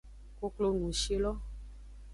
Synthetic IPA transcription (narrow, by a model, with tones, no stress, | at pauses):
ko˧klo˧nũ˨ʃe˦lɔ˦